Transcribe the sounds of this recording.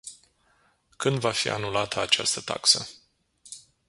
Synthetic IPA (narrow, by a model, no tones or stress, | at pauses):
kɨnd̪vafḭa̰nulat̪ʰəat͡ʃa̰st̪ət̪a̰ksə